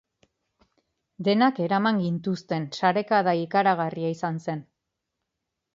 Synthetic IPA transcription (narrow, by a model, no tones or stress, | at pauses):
d̪e̞nake̞ɾamaŋɡint̪ust̪e̞nsaɾe̞kaðaikaɾaɣ̞ariaisanse̞n